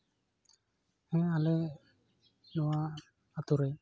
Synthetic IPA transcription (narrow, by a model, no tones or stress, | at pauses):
hɛ̃alɛ | nɔwaː | t̪uɾɛ